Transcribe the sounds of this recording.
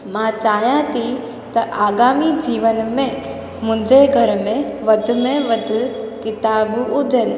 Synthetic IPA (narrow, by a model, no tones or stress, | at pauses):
mãt͡ʃaːɦjãt̪ʰi | t̪ɐʔaːɡaːmid͡ʑiːʋənmẽ | mʊ̃d͡ʑeɡʱɐɾmẽʋɐd̪ʱmẽʋɐd̪ʱʊkɪt̪aːbʊd͡ʑən